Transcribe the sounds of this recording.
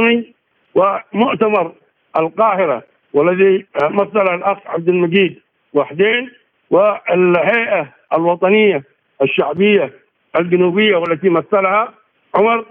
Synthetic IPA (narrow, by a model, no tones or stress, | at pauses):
mi | wɪmʊʔt̪amɑɾˤ | ʔalqɑːhɪɾa̰ | walːat̪imaθːalhalʔaxʕa̰b̚d̪almaɡiːd̪ | waħd̪eːn | wɪalhaːʔa | alwɑt̪ˤɑnɪjːa | ʔaʃːaʕbɪjːa | ʔald͡ʒanuːbɪjːawalːat̪imaθːalha | ʕʊmɑɾˤ